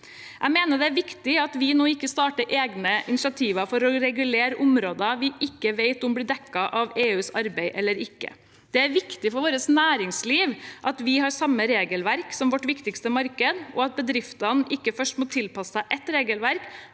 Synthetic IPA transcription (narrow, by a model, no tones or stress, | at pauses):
ʔæɪmeːnəɖ̪ɛæɾʋɪkt̪ɪɑt̪ʋɪnoːɪkːəst̪ɑːʈəɾʔeːɡnəʔɪnɪsɑt̪ʰiːʋɑfɔɾɔɾɛɡʉleːɾəʔʊmɾoːd̪ɑʋɪʔɪkːəʋeɪt̪ʊmbliːd̪ɛkːɑʔɑʋeːʉːsɑɾbæɪʔɛlːəɾɪkːə̰ | d̪̥ɛæɾʋɪkt̪ɪfɔɾʋoːɾəsnæːɾɪŋsliːʋʔɑt̪ʋɪhɑɾsɑmːəɾeːɡəlʋæɾksɔmʋɔʈʋɪkt̪ɪkst̪əmɑɾkəd̪ʔɔɑt̪̚bəd̪ɾɪft̪ɑnʔɪkːəfœʂʈmɔt̪ʰɪlpɑsəʔɛt̪ɾeːɡəlʋæɾk